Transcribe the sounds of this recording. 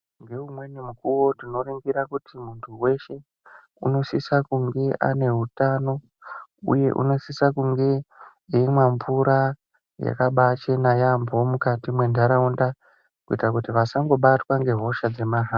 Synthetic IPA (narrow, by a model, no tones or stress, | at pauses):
ŋɡe̞umwe̞nimukuwo̞dino̞ɾiŋɡiɾakutimuntʰuwe̞ʃe̞ | uno̞sisakuŋɡe̞ʔa̰ne̞ɦutano̞ | ṵje̞̰ʔṵno̞sisakuŋɡe̞ | iimwamvuɾa | ja̰kaɓat͡ʃenajambo̞mukatimwe̞ndaɾaunda | kuitrakutiʋasaŋɡo̞ɓatwaŋɡe̞ɦo̞ʃad͡ze̞maɦaː